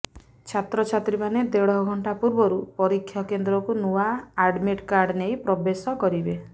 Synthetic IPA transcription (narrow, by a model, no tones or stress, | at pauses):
t͡ʃʰat̪ɾɔt͡ʃʰat̪ɾimaned̪eɽɔɦɔɡʱɔɳʈapuɾbɔɾupɔɾikʰːjɔkend̪ɾɔkunuaːɖmiʈkaɾɖnejpɾɔbesɔkɔɾibe